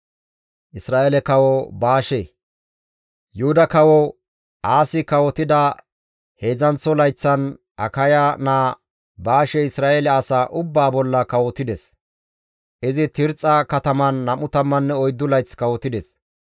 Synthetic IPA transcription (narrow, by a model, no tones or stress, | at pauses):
ʔɪsɾaːelɛkɐwɔbaːʃe | jʊhʊd̪ɐkɐwɔ | ʔaːsɪkɐwɔt̪ɪd̪ɐ | he̞ːzɐnt͡sːɔlɐjt͡sːɐn | ʔɐ̰kɐjanaː | baːʃɛɪsɾaːʔɛlɛɐsaːʔʊbːaːbɔlːɐkɐwɔt̪ɪd̪ɛs | ʔɪzɪt̪ɪɾt͡sʼːɐkɐt̪ɐmɐnːɐmʊt̪ɐmːɐnːɛɔjd̪ːʊlɐjt͡sːkɐwɔt̪ɪd̪ɛs